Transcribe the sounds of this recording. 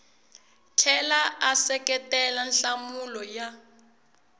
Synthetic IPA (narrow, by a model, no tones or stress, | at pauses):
tʰɛlaasɛkɛtɛlanɬamulɔja